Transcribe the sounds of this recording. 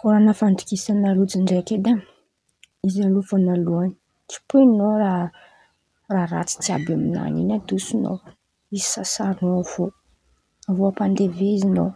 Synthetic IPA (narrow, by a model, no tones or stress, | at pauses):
koɾanəfant̪i̥kisanalut͡siɳɖ͡ʐeked̪a | izalufanaluani̥ | t͡si̥punoɾa | raɾa̰t͡si̥t͡sia̰bamina̰nḭnad̪usino̰w | izi̥sasaɾnav̥o | avoapand̪eveizinow